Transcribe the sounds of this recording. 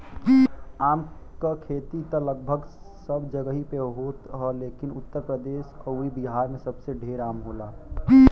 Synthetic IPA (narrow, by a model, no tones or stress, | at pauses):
iaːmkakʰeːt̪it̪ələɡ̚bʱəɡ | səbd͡ʒəɡəɦipeɦoːt̪ɦəleːkɪnʊt̪ːəɾpɾəd̪eːʃkəuibiɦaːɾmẽsəbseɖʱeːɾaːmɦoːlaː